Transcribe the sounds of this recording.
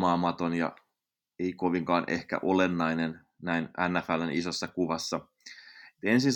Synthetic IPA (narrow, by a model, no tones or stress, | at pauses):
mɑːmɑt̪onjɑ̰ | eikoʋiŋkɑːnʔehkæ̰ʔolenːɑinen | næinænːæfælːænisosːɑkuʋɑsːɑ | et̪ensins